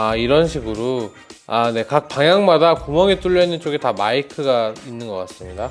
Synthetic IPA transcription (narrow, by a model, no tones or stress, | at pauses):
aiɾʌnɕʰiɡɯɾo | ane̞kak̚paŋjaŋmadakomʌŋit͈uɭʎːʌnɯnt͡ɕ͈oɡetamaikʰɯɡainːɯnɡʌk͈as͈ɯmɲida